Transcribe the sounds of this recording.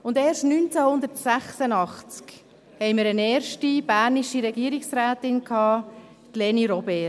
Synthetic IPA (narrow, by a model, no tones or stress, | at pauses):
ʊndeːɾʃtnynt͡sæhʊnd̪əɾtsæχsənɑχt͡sk | hɛɪməɾənɛːɾʃtib̥æːɾniʃiɾɛɡiːəɾiksɾaːt̪ɪnkʰhɑː | t̪leːniɾɔbeː